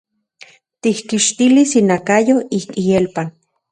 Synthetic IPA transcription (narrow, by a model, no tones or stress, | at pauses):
t̪ihkiʃt̪ilisinakajoikijelpan